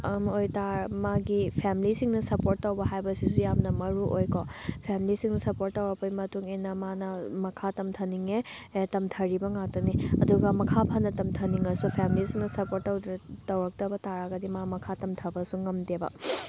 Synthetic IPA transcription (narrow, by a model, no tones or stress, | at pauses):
mojtamaɡipʰamilisiŋnɐsɐpoɾtːɐwbɐɦajbɐsisujamnɐmɐɾuʔojkopʰamilisiŋnɐsɐpoɾtːɐwɾɐk̚pɐjmɐtuŋenːɐmanɐmɐkʰatɐmtʰɐniŋe | tɐmtʰɐɾibɐŋatɐniɐduɡɐmɐkʰapʰɐnːɐtɐmtʰɐniŋɐsupʰamilisiŋnɐsɐpoɾtːɐwdɾɐtɐwɾɐk̚tɐbɐtaɾaɡɐdimamɐkʰatɐmtʰɐbɐsuŋɐmdebɐ̰